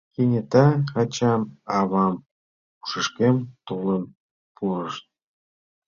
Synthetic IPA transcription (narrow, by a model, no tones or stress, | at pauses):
kenʲet̪ɑɑt͡ɕɑmɑβɑm | u̥ʃəʃkemt̪oləm | pʰuɾəʃt̪̚